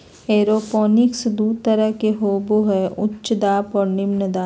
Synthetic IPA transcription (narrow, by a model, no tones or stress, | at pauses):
eːɾoːpɔːnɪksd̪uːɾt̪ɐɾəɦkeɦoːboɦɛʔʊt͡ʃːʃd̪aːpɔːɾnɪmnəd̪aː